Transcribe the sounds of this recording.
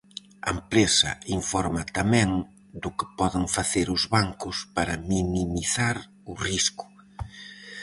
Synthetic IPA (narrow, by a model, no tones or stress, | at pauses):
ɐ̰empɾesɐ̰iɱfɔɾmɐt̪amɛ̃ŋ | d̪ʊkɪ̥pɔðɪŋfaθeɾʊzβaŋkʊspaɾɐminimiθaɾ | ʊriskʊ̥